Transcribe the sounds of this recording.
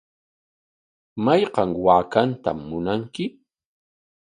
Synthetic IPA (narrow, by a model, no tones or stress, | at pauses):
majqɑŋwaːkant̪a̰mːʊnaŋkɪ